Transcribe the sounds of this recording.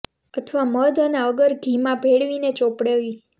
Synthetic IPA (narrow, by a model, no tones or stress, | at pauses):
ət̪ʰʋaməd̪ʱəneəɡəɾɡʱimãbʱeɽʋinet͡ʃopɽeʋi